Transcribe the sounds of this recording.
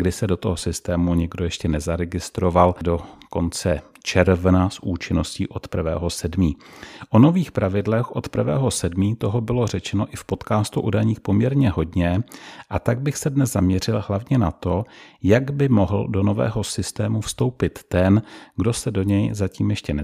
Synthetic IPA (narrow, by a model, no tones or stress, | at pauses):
ɡdɪsɛdo̞t̪oɦo̞sɪst̪ɛːmuɲɛɡdo̞jɛʃcɛnɛzaɾɛɡɪst̪ɾo̞valdo̞ko̞nt͡sɛ | t͡ʃɛɾvnasʔuːt͡ʃɪno̞scḭːʔo̞t̪pr̩vɛ̰ːɦo̞sɛdmiːʔo̞no̞viːxpɾʔavɪdlɛxʔo̞t̪pr̩vɛ̰ːɦo̞sɛdmiːt̪o̞ɦobɪlo̞r̝ɛt͡ʃɛno̞ʔɪfpo̞t̪kaːst̪uʔṵːdajɲiːxpo̞mɲɛɾɲɛɦo̞dɲɛʔat̪aɡ̚bɪxsɛdnɛzzamɲɛr̝ɪlɦlavɲɛnat̪o̞jaɡbɪmoɦl̩do̞no̞vɛ̰ːɦo̞sɪst̪ɛːmufst̪o̞wpɪt̪ːɛnɡdo̞sɛdo̞ɲɛjzaciːmjɛʃcɛnɛ